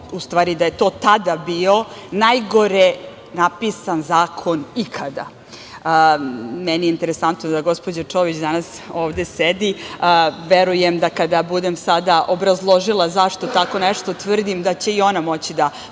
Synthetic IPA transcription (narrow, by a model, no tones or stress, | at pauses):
ust̪ʋaːɾid̪ajet̪ot̪ad̪abio̞najɡo̞ɾe | napisanzaːkʰo̞nikʰad̪a̰ | mɛnijeint̪eɾesant̪nod̪aɡo̞spo̞d͡ʑat͡ʂoʋit͡ɕd̪anas | oːʋd̪esed̪i | ʋeɾujemd̪akad̪abud̪emsad̪aʔobɾazlˠoʒilˠazaʂt̪o̞t̪ako̞nɛʂt̪o̞t̪ʋr̩d̪imd̪at͡ɕe̞io̞namo̞t͡ɕid̪a